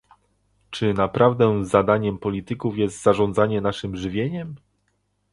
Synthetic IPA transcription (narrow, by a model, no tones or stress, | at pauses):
t͡ʂɘnapɾavd̪ɛzad̪aɲɛmpɔlʲit̪ɘkufjɛst̪z̥aʐɔnd̪zaɲɛnaʂɘmʐɘvʲjeɲɛm